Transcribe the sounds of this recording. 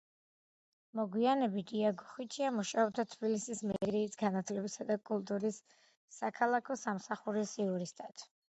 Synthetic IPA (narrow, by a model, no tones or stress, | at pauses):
mɔɡwianɛbit̪iaɡɔχit͡ʃʰiamuʃaɔb̚d̪at̪ʰbilisismɛɾɾiːsɡanat̪ʰlɛbisad̪akʼulˠt̪ʼuɾisː | akʰalˠakʰɔsamsaχuɾisiuɾist̪ʼat̪ʰ